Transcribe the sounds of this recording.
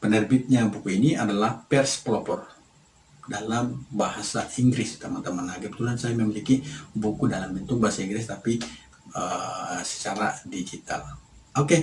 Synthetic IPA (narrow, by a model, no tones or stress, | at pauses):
pənərbɪt̪̚ɲabukuiniadalahpɛrspəlopɔr | dalambahasaʔiŋɡɾɪst̪əmant̪əmanlaɡipət̪uɦansajaməmilikibukudalambənt̪ʊk̚baɦasaiŋɡɾɪst̪api | əsə̥t͡ʃaɾa̰did͡ʒit̪a̰l | oke